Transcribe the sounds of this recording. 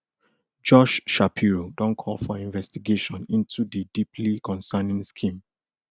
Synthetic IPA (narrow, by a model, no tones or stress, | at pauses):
d͡ʒɔʃʃapʰiɹodɔ̃nkʰɔlfɔĩnvɛstiɡeʃɔ̃nĩntʰudidipʰlikɔ̃nsanĩŋskʰĩm